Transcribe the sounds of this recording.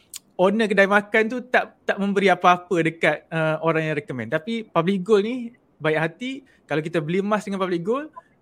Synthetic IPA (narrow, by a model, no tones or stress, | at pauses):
onək̬ədaimakant̪ut̪aʔt̪aʔmə̃mbəɾiapaapədəkat̪̚əoɾaŋjaŋrekomɛ̰nt̪apipablikɡolnih | baɛʔɦat̪i | kalawkit̪abəlimasdəŋanpablikɡol